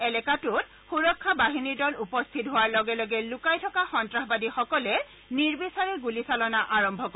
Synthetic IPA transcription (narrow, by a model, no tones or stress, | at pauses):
ɛlɛkatʊt̚ | xuɹɔkʰːabaɦiniɹdɔlupɔst̪ʰitɦowaɹlɔɡɛlɔɡɛlʊkajtʰɔkaxɔntɹaɦbadixɔkɔlɛ | niɹbisaɹɛɡulisalɔnaʔaɹɔmbʱɔkɔ